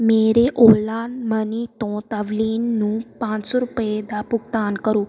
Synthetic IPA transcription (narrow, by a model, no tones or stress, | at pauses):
meɾeʔolanmənit̪ɔ̃t̪əʋlinːũpãsɔɾupjed̪apuk̚t̪ankəɾuː